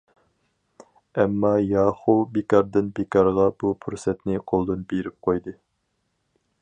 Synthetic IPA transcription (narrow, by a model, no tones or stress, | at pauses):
ɛmːɑjɑːχubekɑɾd̪ɨnbekɑɾʁɑbupʰuɾsɛt̪nɪqʰolˠd̪ɨnbeɾɪp̚qʰojd̪ɨ